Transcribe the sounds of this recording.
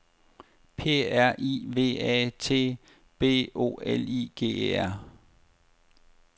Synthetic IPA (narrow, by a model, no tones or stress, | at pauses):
pʰe̝̰ːæɐ̰ʔḭːʋe̝̰ːɛ̰t͡sʰe̝̰ː | b̥e̝̰ːo̝̰ːeliːɡ̥e̝̰ːeæɐ̰